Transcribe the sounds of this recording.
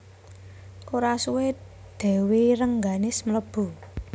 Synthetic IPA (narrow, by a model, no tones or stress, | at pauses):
koɾasuwɪt̪̚ | d̪̥ɛ̤weɾəŋɡanɪsmələb̥ṳ